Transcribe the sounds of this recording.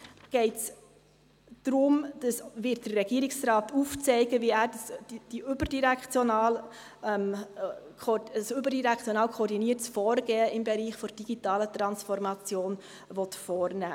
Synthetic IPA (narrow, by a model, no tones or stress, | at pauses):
ɡ̥ɛɪts | d̪̥ɾʊmd̥ɑsʋɪt̚d̥ərɛɡiəɾɪksɾɑːtʰuft͡sɛɪɡəʋiæːɾdsd̥iʔʏbərd̥iɾɛkt͡sjɔnɑːl | mʰ | sʏbəɾdiɾɛkʰt͡sjɔnɑːlkʰɔːɾdiniətt͡sfɔːɾɡ̥ɛːəɪmbɛɾiːχfɔɾd̥iɡ̥itɑːlət̪ɾɑnsfɔɾmɑt͡sjoːn | ʋɔt̪fɔːɾnæ̰ː